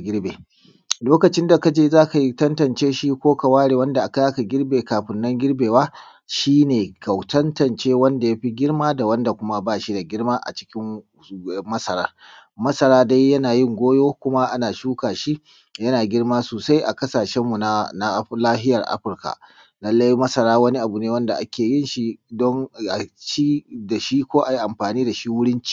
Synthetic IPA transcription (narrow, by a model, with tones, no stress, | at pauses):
ɡʲɪ˦ɽbeː˨ | loː˦kɐ˨t͡ʃɪ˦nda˨ka˨d͡ʒeː˦zaː˦ka˨ji˦tɐ˦ntɐ˨nt͡ʃeː˦ʃi˦kʷoː˦ka˨waː˦ɽeː˨wɐ˦nda˨ʔa˨ka˦aː˦ka˨ɡʲɪ˦ɽbeː˨kaː˨ɸɪ˨nːɐ˦ŋɡʲɪ˦ɽbeː˨waː˦ | ʃiː˦neː˨ka˨wtɐ˦ntɐ˨nt͡ʃeː˦wɐ˦nda˨ja˦ɸi˦ɡʲɪ˦ɽmaː˦da˨wɐ˦nda˨kʷʊ˦ma˦baː˦˨ʃi˦da˨ɡʲɪ˦ɽmaː˦ʔa̰˨t͡ʃɪ̥˦kʲɪ˦ŋ | mɐ˦sɐ˨ɾa̰ː˦ | mɐ˦sɐ˨ɾaː˦da˦jːɐ˦naː˨jɪ˦ŋɡʷoː˦joː˦kʷʊ˦ma˦ʔa˦naː˨ʃuː˦kaː˨ʃi˦ | jɐ˦naː˨ɡʲɪ˦ɽmaː˦soː˨sa˦jʔa˨kɐ˦saː˨ʃɛ˦mːu˨na˦na˦laː˦ɦɪ˦jɐ˨rʔa̰˦ɸɪ˨rka̰˨ʔ | lɐ˦lːa˦jmɐ˦sɐ˨ɾaː˦wɐ˦ni˦ʔa˨bu˨neː˦wɐ˦nda˨ʔa˦kʲeː˨jɪ˦nʃi˦dɔ˦nʔa˨ʃi˦da˨ʃi˦kʷoː˦ʔa˨ji˦ʔa˨mɸaː˨niː˦da˨ʃi˦wʊ˦ɽɪ˦nt͡ʃi̥˦˨